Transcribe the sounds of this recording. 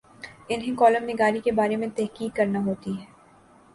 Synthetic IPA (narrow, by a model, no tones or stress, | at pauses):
ɪnɦẽkɔːləmnɪɡaːɾikebaːɾemẽt̪ɛɦkiːkːɐɾnaɦoːt̪iɦɛː